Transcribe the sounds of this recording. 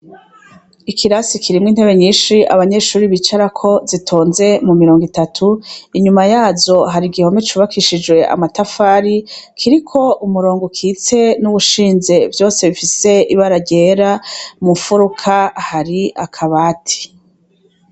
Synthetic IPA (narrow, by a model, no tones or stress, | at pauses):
ikʰiɾasikʰiɾimŋiːn̥e̞βe̞ɲiːnʃiʔa̰βaɲe̞ʃuːɾiβit͡ʃaɾakʰo̞zitʰo̞ːnze̞mumiɾoːŋɡitatʰuiɲumajaːzo̞ɦaɾiɡiho̞met͡ʃuβakʰiʃid͡ʒwe̞ʔa̰matafaːɾikʰiɾikʰo̞ʔumuɾo̞ːŋɡokʰiːt͡se̞nuβuʃiːnze̞vjo̞ːse̞βifise̞iβaɾaɟe̞ːɾamufuɾukʰahaɾiakʰaβaːtʰi̥